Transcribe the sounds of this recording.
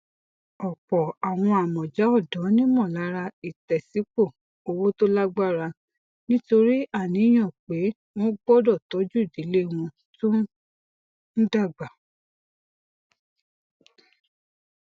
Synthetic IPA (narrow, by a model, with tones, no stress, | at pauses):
ɔ˨k͡pɔ˨a˨w̃ɔ̃˧a˨mɔ̃˨d͡ʒa˨˦ɔ˦˨dɔ̃˨˦nĩ˦mɔ̃˦˨la˨˦ɾa˧i˨tɛ˨si˨˦k͡po˦˨ | o˧wo˦to˦la˦ɡ͡ba˦˨ɾa˧ | nĩ˦to˧ɾi˦a˦˨nĩ˨˦j̃ɔ̃˦˨k͡pe˨˦ | w̃ɔ̃˦ɡ͡bɔ˦dɔ˦˨tɔ˨˦d͡ʒu˦i˦˨di˨˦le˦w̃ɔ̃˧ | tu˦ | n̩˦da˦˨ɡ͡ba˨